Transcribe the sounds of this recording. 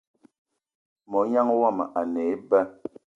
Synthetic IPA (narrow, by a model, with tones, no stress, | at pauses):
mɔ˨˦ɲa˦ŋ˦wa˦˨m˨ʔa˨nɛ˨˦bɛ˦